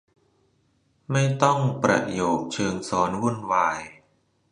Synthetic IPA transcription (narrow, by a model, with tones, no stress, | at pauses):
ma˥˩jt̪ɔ˥˩ŋpɾa̰˧joː˨˩k̚t͡ɕʰɤː˧ŋsɔː˩˦nwu˥˩ənwaː˧j